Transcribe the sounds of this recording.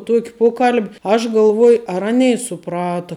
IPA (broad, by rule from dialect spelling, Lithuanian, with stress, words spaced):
ˈtuɔkʲ ˈpoːkɐlʲpʲ ɐʃ ɡɐlˠˈʋuɔj ɐr ˈɑːnʲɛɪ sʊˈprɑːtɐ